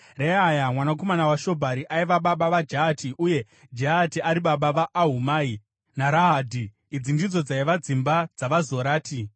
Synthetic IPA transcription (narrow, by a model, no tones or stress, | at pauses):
reajamwanako̞manawaʃo̞bʱaɾiʔaiʋaɓaɓaʋad͡ʒaːtʰiʔuje̞ | d͡ʒaɦatiʔaɾiɓaɓaʋaʔːɦumaːi | naɾaɦaːdʱiː | d͡zindid͡zo̞d͡zaiʋad͡zimbad͡zaʋazo̞ɾaːtʰi